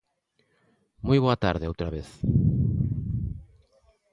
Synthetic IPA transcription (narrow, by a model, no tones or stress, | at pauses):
mojβoat̪aɾðɪowt̪ɾaβeθ